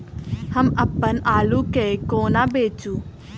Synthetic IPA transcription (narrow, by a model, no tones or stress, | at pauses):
həmɐpːənaːlukekoːnabeːt͡ʃuː